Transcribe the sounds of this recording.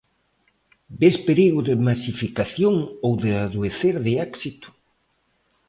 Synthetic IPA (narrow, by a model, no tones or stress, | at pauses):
bespeɾiɣʊðɪmasifikaθjoŋowðɪaðueθeɾðɪɛksit̪ʊ̥